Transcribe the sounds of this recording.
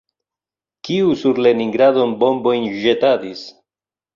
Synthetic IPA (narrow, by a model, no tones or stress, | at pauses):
kiusuɾle̞niŋɡɾado̞nbo̞mbo̞jnʒetadis